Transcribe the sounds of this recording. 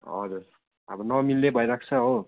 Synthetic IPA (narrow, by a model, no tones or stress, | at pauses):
ʌ̰d͡zuɾ | ʌ̰bʌnʌmilːebʱʌjɾak̚ʰt͡sʰʌɦo